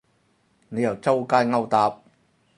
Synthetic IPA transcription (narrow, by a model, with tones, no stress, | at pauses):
ne˨˧jɐ˨˩wt͡sɐ˥wkaː˥jŋɐ˥wt̪aː˨p̚